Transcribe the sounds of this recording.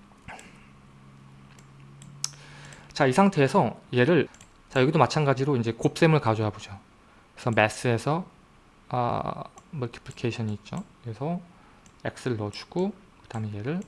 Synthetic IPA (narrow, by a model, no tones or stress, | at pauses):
t͡ɕaisʰaŋtʰe̞ːsʰʌje̞ɾɯɭ | t͡ɕajʌɡidomat͡ɕʰanɡad͡ʑiɾoind͡ʑe̞kop̚s͈e̞mɯɭkad͡ʑojabod͡ʑo | kɯesʰʌmes͈ɯe̞sʰʌ | ʌ̰mʌkʰi̥pʰlikʰeɕʰʌɲiːt̚t͡ɕ͈okɯɾesʰʌ | ḛk̚s͈ɯɭːʌt͡ɕʰu̥ɡ̥o | kɯd̥aɦɯmeje̞ɾɯɭ